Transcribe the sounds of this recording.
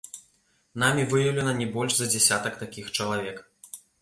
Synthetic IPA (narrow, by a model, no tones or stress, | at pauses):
n̪amʲivɨjɐwlʲɛnɐnʲɛbɔlʲʐzɐd͡zʲɛsʲat̪ɐkt̪akʲixt͡ʂɐlˠavʲɛk